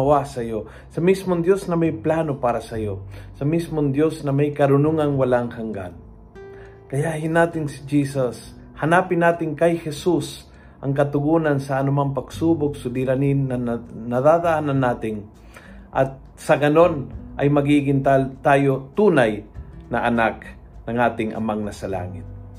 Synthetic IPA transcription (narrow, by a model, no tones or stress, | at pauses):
ɐwasɐjo | sɐmismoŋd̪jo̞snɐmajplaːnopaːɾɐsɐjosɐmismoŋd̪josnɐmajkɐɾʊnuŋaŋwɐlaŋhaŋɡa̰n | kɐjaʔhɪnːaːt̪ɪŋsɪ̥d͡ʒiːsas | hɐnaːpɪnːaːt̪ɪŋkajhɛsus | ʔɐ̰ŋkɐt̪ʊɡuːnansɐːnʊmaŋpɐɡ̥suːbʊk̚sʊd̪iɾanɪanɐðaːd̪aʔananːaːt̪ɪŋ | ʔɐ̰t̪̚ | sɐɡɐno̞nʔajmɐɡiːɡɪnt̪at̪aːjot̪uːnajnɐʔɐnak̚ | nɐŋaːt̪ɪŋʔɐ̰maŋnɐsɐla̰ːŋɪt̪̚